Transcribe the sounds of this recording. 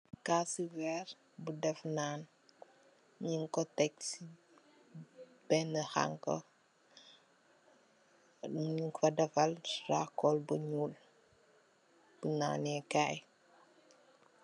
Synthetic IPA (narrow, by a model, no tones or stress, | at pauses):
kasiwɛɾ | budɛfnaːn | ɲiŋkɔtɛks | b̥ɛnəha̰ŋkɔ̰ | ŋkɔdɛfɐlrakɔlbuɲuːl | b̥una̰ːnɛkaj